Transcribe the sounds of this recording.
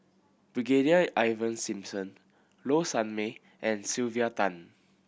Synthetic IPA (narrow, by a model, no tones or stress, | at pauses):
b̥ɹiɡediaʔajvə̃nsĩmsə̃n | losãnme | ʔɛ̃nsilviat̪ãn